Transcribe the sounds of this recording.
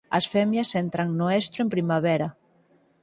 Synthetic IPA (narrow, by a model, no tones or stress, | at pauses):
ɐsfɛmjasent̪ɾaŋnoest̪ɾoempɾimaβɛɾa